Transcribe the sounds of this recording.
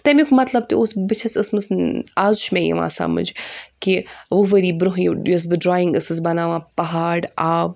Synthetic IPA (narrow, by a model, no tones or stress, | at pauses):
t̪ɐmikmɐt̪lɐb̚t̪ioːsbɨt͡ʃʰɐsɐsmɐzaːzuʃmẽːjḭʋã̰ːsa̰ːmɐ̰nd͡ʒkiʋuʋɐɾiːbɾuɦjijos̬bɨɖɾaːĩŋɡɐsɨzbɐnãːʋãːpɐɦaːɽaːb